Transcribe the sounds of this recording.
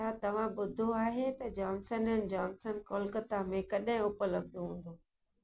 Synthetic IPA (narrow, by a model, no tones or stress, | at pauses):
at̪ɐʋ̤ãɓʊd̪ʱoaːɦet̪ɐd͡ʑɔːnsənənɪd͡ʑɔːnsənkoːlkət̪amẽkɐɗɦɪ̃ʊpələb̚d̪uɦũːn̆d̪oː